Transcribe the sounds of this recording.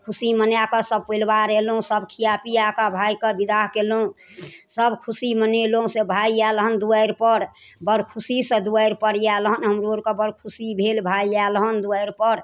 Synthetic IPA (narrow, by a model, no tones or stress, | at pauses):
kʰusimənjakəsəb̚pəlbaɾelɦũsəbkʰijapijakabʱajkəbid̪aɦkelɦũsəbkʰusiməneloɦũsebʱaialɦənd̪uəjɾpəɾ | bəɾkʰusisə̃d̪uəjɾpəɾijalɦənɦəmɾoɾkəbəɾkʰusibʱelbʱaialɦənd̪uəjɾpəɾ